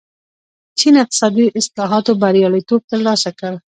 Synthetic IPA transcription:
t͡ʃinɪq̚t̪ɪ̥sɑd̪iʔɪslɑɦɑt̪obaɾjɑlit̪ob̚t̪alɑʃakəɾ

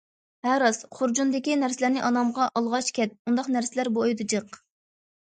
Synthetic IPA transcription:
hæɾɑsqʰʊɾd͡ʒund̪ɪkʲinæɾsɪlæɾnɪʔɑnɑmʁɑʔɑlˠʁɑt͡ʃkʲʰɛt̪̚und̪ɑχnæɾsɪlæɾboojd̪ɨd͡ʒəq

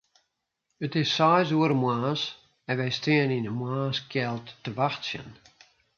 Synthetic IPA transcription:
ətɪsːajzuəɾəmwaːs | ɛʋɛjstiəninəmwaːskʰjɛlˠtːəʋaxtsjə̰n

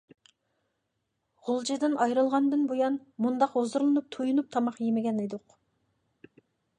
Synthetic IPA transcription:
ʁolˠd͡ʒed̪ɪnɑjɾɨlˠʁɑnd̪ɨnbojɑnmund̪ɑqozɨɾlˠɨnup̚t̪ʰujunup̚t̪ʰɑmɑqjemɪɡʲɛned̪ʊq

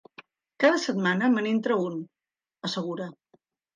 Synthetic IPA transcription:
kaðəsət̪manəmənent̪ɾəun | əsəɣ̞uɾə

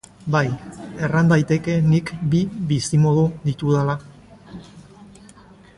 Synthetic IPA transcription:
baje̞rand̪ajt̪e̞ke̞nikbiβisimo̞ðuðit̪uðala

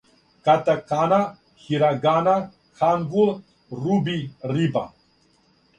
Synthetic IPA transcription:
kat̪akana | xiɾaɡana | xaŋɡul | rubiriba̰

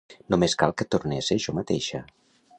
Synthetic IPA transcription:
nomeskalˠkət̪urneseʒɔmat̪eʃə̰

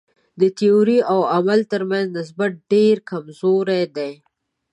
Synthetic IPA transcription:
d̪ət̪ijoɾiawamalt̪əɾmanznɪs̬bat̪̚ɖeɾkamzoɾed̪ej

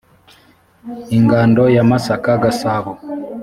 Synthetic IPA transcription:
iŋɡaːndojamasakaɡasaːβo

